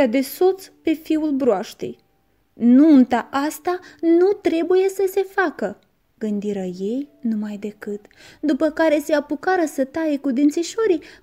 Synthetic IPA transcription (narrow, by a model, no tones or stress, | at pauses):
ad̪e̞so̞t̪spe̞fiulbɾoaʃt̪ḛj | nunt̪aʔast̪anut̪ɾe̞buje̞səse̞fakə | ɡ̥ɨnd̪iɾəje̞jnumajd̪e̞kɨt̪d̪upəkaɾe̞se̞apukaɾəsət̪aje̞kud̪int̪siʃo̞ɾij